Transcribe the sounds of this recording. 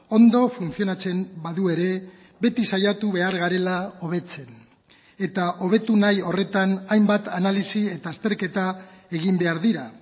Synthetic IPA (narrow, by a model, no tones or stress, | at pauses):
o̞nd̪o̞funsio̞nat͡se̞mbaðue̞ɾe̞ | be̞t̪isajat̪uβe̞aɾɣaɾe̞lao̞β̞e̞t͡se̞n | e̞t̪aʔo̞β̞e̞t̪unajo̞re̞t̪anajmbat̪analisie̞t̪aːst̪e̞ɾke̞t̪ae̞ɣimbe̞aɾðiɾa